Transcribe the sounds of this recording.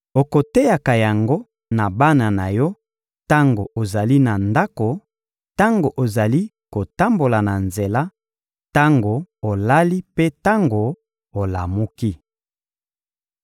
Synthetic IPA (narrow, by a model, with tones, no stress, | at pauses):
o˨ko˨te˦ja˨ka˨ja˨ŋɡo˦ | na˨ba˦na˨na˨jɔ˦ | ta˦ŋɡo˨ʔo˨za˨li˦na˨nda˦ko˨ | ta˦ŋɡo˨ʔo˨za˨li˦ | ko˨ta˦mbo˨la˨na˨nze˨la˦ | ta˦ŋɡo˨o˨la˦li˦pe˦ta˦ŋɡo˨ | o˨la˨mu˦ki˦